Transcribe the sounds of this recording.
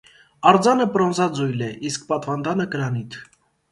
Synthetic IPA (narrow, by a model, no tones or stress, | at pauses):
ɑɾd͡zɑnəpɾɔnzɑd͡zujlɛʔisk̚pɑt̪vɑnd̪ɑnəkəɾɑnit̪ʰ